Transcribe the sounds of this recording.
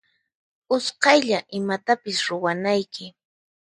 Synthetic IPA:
ʊsqɑjʎaʔɪmat̪apɪsɾʊwanajkɪ

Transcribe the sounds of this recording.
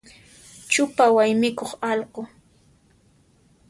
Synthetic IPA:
t͡ʃʊpawajmɪkoχɑlqo

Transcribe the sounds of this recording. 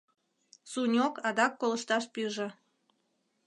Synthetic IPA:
sunʲokɑd̪ɑkːoləʃt̪ɑʃpyʒĕ

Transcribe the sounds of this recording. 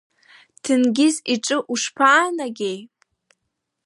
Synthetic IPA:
tʰɨnɡʲɪziʈ͡ʂʼɨʔuʂpʰaːnaɡʲej

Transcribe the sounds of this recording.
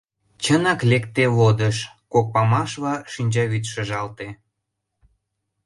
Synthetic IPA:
t͡ɕənɑklekt̪eβod̪əʃ | kok̚pɑmɑʃβɑʃinʲd͡ʑɑβit̪ʃə̆ʒɑlt̪e

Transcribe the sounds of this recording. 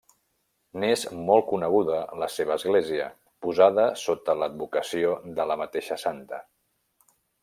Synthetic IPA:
nezmɔlˠkunəɣ̞uðələseβ̞əːzɣleziə̰ | puzað̞əsot̪ələd̪̚bukəsiod̪ələmət̪eʃəsant̪ə

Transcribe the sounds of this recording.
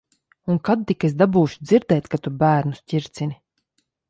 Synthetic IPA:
unkad̪̚t̪ikesd̪abuːʃu̥d̪ziɾd̪ɛːt̪ʲkat̪ubæːɾnusʲcʲiɾt̪sini

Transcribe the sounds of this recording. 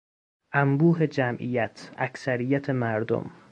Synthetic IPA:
ʔæmbuːɦe̞d͡ʒæmʔḭjæt̪ʰæksæɾijæt̪ʰemæɾd̪o̰m

